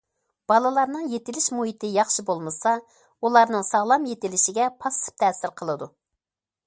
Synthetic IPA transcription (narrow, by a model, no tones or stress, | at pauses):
b̥ɑlˠɨlˠɑɾnɨŋjet̪ɪlɪʃmuɦit̪ɪjɑχʃibolˠmɨsɑ | ulˠɑɾnɨŋsɑʁlˠɑmjet̪ɪlɪʃɪɡʲɛpʰɑsɨ̥p̚t̪ʰɛːsɪɾqʰəlˠɨd̪u